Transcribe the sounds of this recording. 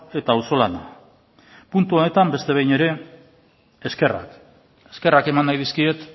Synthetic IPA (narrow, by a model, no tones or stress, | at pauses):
e̞t̪aːwso̞lana | punt̪uo̞ne̞t̪ambe̞st̪e̞βejne̞ɾe̞ | eske̞ra̰k | eske̞rake̞manːajð̞iskie̞t̪